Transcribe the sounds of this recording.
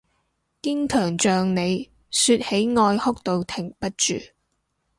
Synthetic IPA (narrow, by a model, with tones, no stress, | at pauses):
kɪ˥ŋk̪ʰœː˨˩ŋt͡ʃœː˨ŋne˨˧j | syː˧t̚he˨˥jŋɔː˧jhʊ˥k̚t̪o˨˧wt̪ʰɪ˨˩ŋpɐ˥t̚t͡ʃyː˨